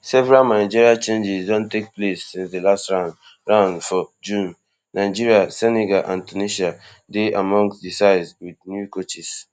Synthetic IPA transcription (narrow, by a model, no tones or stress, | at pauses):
sɛvɛɹalmaɪd͡ʒiɹiat͡ʃẽnd͡ʒisdɔ̃ntek̚plesːĩnsdelastɹãʊ̃n | ɹãʊ̃nfɔd͡ʒũnː | aɪd͡ʒiɹiasɛneɡaʔãntuniʃa | deʔamɔ̃ŋsdisaɪswidnjukot͡ʃis